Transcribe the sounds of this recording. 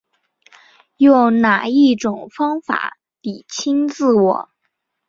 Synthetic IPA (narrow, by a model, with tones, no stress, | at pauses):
jo˥˩ʊna˨˩i˥˩ʈ͡ʂʊ˨˩ŋfɑ˥ŋfa̰˨˩˦ | t̪i˨˩t͡ɕʰi˥nt͡sɹ̩˥˩wɔ̰˨˩˦